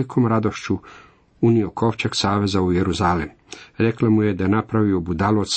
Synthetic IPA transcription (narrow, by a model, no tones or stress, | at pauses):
ikʰomɾad̪o̞ʃt͡ʃu | uniokʰo̞ʋt͡ʃeksaːʋe̞zaujeɾuzalem | ɾeklamujed̪anapɾaʋiobud̪alos